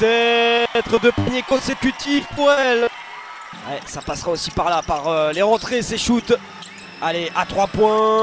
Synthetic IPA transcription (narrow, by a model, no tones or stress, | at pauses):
t̪ɛt̪χəd̪əpanjekɔ̃sekʲyt̪ʰifpuʁɛl | wɛsapasʁaosipaʁlapaʁøleʁɑ̃t̪χeseʃut̪ | aleʔat̪χwapwɛ̃